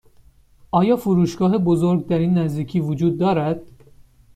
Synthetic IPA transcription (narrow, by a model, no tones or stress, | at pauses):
ʔɒːjɒːfuɾuːʃɡɒːɦebozoɾɡ̚d̪æɾiːnːæzd̪iːcʰiːvod͡ʒuːd̪ːɒːɾæd̪̥̚